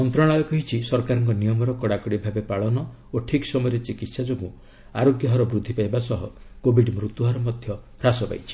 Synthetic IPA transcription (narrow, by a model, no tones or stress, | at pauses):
ɔnt̪ɾɔɽ̃ajɔkɔɦit͡ʃʰisɔɾkaɾɔŋkɔnijɔmɔɾɔkɔɽakɔɽibʱabepaɭɔnɔ | oʈʰiksɔmɔjɾet͡ʃikit̪sad͡ʒoɡũ | a̰ɾoɡjɔɦɔɾɔbɾud̪ʱːipajbasɔɦɔkobʱiɖmɾut̪uɦɔɾɔmɔd̪ʱjɔ | ɾasɔpa̰jt͡ʃʰi̥